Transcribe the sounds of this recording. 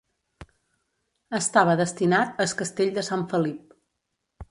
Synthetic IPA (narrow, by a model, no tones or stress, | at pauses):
əst̪aβəðəst̪inat̪əskəst̪eʎd̪əsaɱfəlip̚